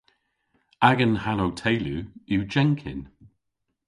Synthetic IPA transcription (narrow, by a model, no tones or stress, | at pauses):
aɡənhanowtʰejluud͡ʒɛŋkʰɪ̰n